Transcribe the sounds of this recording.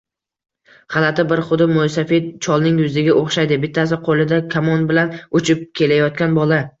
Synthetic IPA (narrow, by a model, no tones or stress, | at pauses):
χɑlat̪ʰɪbɪɾχʊd̪ɪmːʊjsafit͡ʃʰɒlˠnɪŋjʊzɪɡʲaʔoχʃajd̪ɪbɪt̪ʰːasɪqʰolˠɪd̪akʲʰamɒnbɪlanʊt͡ʃʰɪp̚kʲʰe̞lajɒt̪̚kʲanbɒla